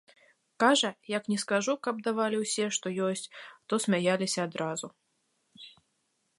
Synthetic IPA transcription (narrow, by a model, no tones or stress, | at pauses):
kaʐɐjɐknʲɛskaʐukɐb̚d̪avalʲiwsʲɛʂt̪ɔjɔsʲt͡sʲt̪ɔsʲmʲajalʲisʲɐːd̪ɾazu